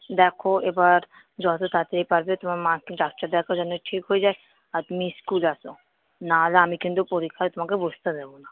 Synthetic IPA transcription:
d̪ɛːkʰoebaɾ | d͡ʒɔset̪ʰat̪eɦipɐɾbet̪ʊmamãkiɖaːk̚t͡ʃəɾd̪ɛːkʰad͡ʒɔneʈʰiːkɦoid͡ʒaːe | at̪ʊmĩskuːlaːso | naːlaamĩkɪnd̪opoɾikʰːaɾt̪ʊm̤ãkebud͡ʒt̪ad̪eːbona

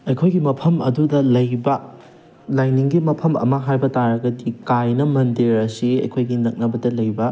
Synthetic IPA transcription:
ɐjkʰojɡimɐpʰɐmɐ̰dudɐlɐjbɐ | lajniŋɡimɐpʰɐmɐ̰mɐɦajbɐtaɾɐɡɐdikajnɐmɐndiɾɐsiɐ̰jkʰojɡinɐk̚nɐbɐdɐlɐjbɐ

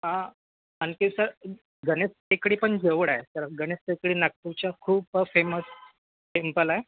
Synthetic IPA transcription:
ɦã | ankisəɾ | ɡənest̪ekɽiːpəɳd͡ʑeʋɽajet̪əɾɡənest̪ekɽiːnak̚t̪ut͡ɕjakʰuːbəfeməs | ʈempəlae

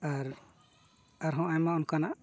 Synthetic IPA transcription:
aɾ | aɾɦɔ̃ajmaunkanaʔ

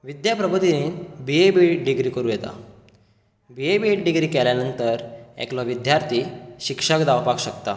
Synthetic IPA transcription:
ʋid̪japɾəbʱəd̪inebiebiɖiɡɾiːkəɾuːjɛt̪a̰ | biebieʈɖiɡɾiːkɛljanənt̪əɾɛ̰klɔʋid̪jaɾt̪ʰiɕikʂəkd̪awpakɕəkt̪a̰

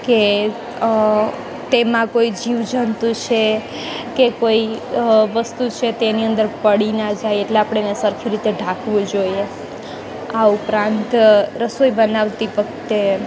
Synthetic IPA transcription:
ke | t̪emãkoid͡ʒiʋd͡ʒənt̪ũt͡ʃʰe | kekoiʋəst̪ut͡ʃʰet̪eniənd̪əɾpəɽinad͡ʒajeʈleapɽ̃enesəɾkʰiɾit̪eɖʱãkʰʋũd͡ʒoie | aupɾãnt̪ɾəsoibənaʋt̪iʋəkʰt̪e

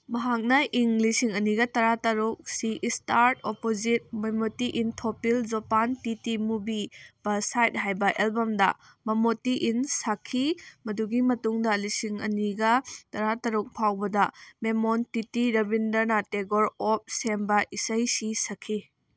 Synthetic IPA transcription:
mɐɦak̚nɐʔiŋlisiŋɐniɡɐtɐɾatɐɾuk̚siʔistaɾtopozit̚memotiʔintʰopild͡ʒopantitimubib̥ɐsajt̚ɦajbɐʔelbɐmdɐ̰ | mɐmotiʔinsakʰːimɐduɡimɐtuŋdɐlisiŋɐ̰niɡɐtɐɾatɐɾuk̚pʰawbɐdɐmemontitiɾɐbindɐɾnɐteɡoɾop̚sembɐʔisɐjsisɐkʰi

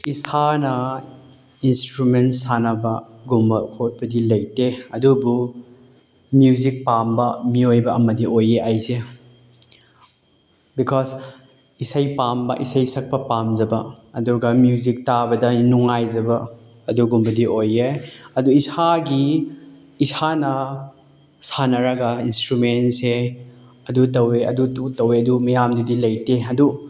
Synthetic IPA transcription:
isanɐ | instɾumentsanɐbɐ | ɡumbɐkʰot̚pɐdilɐjteɐdubu | mjuzik̚pambɐmiojbɐɐmɐdiʔojeʔajse | bikʰɔz | isɐjpambɐ̰ʔisɐjsɐk̚pɐpamzɐbɐːduɡɐmjuzik̚tabɐdɐnuŋajzɐbɐː | duɡumbɐdiʔojeɐduisaɡiː | sʰanɐ | sanɐɾɐɡɐinstɾumense | ɐdut̬ɐweɐ̰dututɐweɐdumɐjamdidilɐjteɐdu

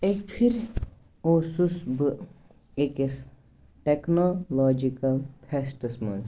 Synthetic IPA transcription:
ekpʰiɾ | oːsusbɨ | ekes | ʈeknolɔːd͡ʒikɐlpʰɛsʈɨsmɐ̰n

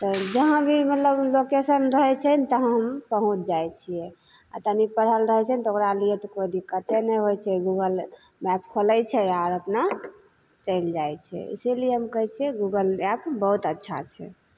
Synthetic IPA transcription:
t̪ɔd͡ʒəɦãbʱimət̪ləblokesənɾəɦɛt͡ʃʰənit̪ɔɦə̃ɦəmpəɦũt͡ʃʰd͡ʒajt͡ʃʰijɛ | a̰t̪ənipəɽ̤əlɾəɦɛt͡ʃʰɛnit̪ɔokɾaliɛt̪ɔkojd̪ʱikət͡ʃʰɛnɛɦojt͡ʃʰɛɡuɡəl | mɛp̚kʰoləjt͡ʃʰɛaɾəpna | t͡ʃəɪld͡ʒajt͡ʃʰɛ̰ḭsilijeɦəmkəɦɛt͡ʃʰiɛɡuɡəlɛpbəɦut̪ətːʃʰa̰t͡ʃʰɛ̰

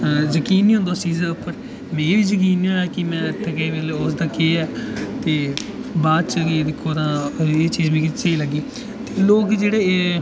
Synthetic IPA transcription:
zəkiːniːõnd̪oːt͡ʃiːzd̪eʊpːəɾ | meːɾiːʋiːzək̬iːnːoːɛːkɪmɛ̃ːt̪ʰːəkeːʋeːleʊs̬d̪aːkeːɛːt̪eːbaːd̪t͡ʃəkid̪ɪkʰːoːt̪ãːeːt͡ʃiːd͡ʒbiːkɪt͡ʃeiːləɡiː | t̪eːloːkd͡ʒeːɽeː

